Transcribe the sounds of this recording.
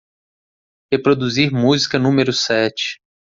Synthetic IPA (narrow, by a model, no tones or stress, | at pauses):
hepɾod̪uziɾmuzikɐnũmeɾʊsɛt͡ʃɪ̥